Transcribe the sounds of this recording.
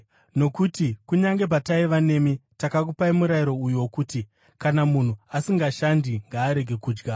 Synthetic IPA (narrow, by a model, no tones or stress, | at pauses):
no̞kutikuɲaŋɡe̞p̬ataiʋane̞mitakak̬upaimuɾaiɾo̞ujuwokuːti | kanamun̤uasiŋɡaʃandiŋɡaːɾe̞ɡʱe̞kuːd͡ʒɡa